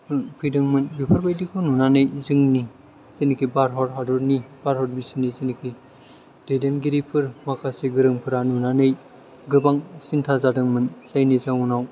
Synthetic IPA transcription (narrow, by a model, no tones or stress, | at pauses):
pʰɯjdɯŋmɯnbipʰaɾbajdikʰununanɯjzɯŋni | z̥inikʰibaɾɦɔɾɦaduɾnibaɾhɔɾ̚bisinizinikʰi | d̥ejdenɡiɾipʰɯɾmakʰasiɡɯɾɯŋpʰɯɾanunanɯj | ɡɯbaŋsintʰazadɯŋmɯnsajnizaŋunaw